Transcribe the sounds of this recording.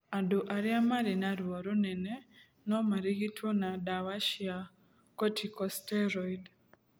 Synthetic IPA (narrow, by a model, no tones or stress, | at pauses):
aduʔaɾiamaɾinaɾuoɾunɛne | nomaɾiɣitʰonadaβaʃia | kɔtʰikɔsteɾɔid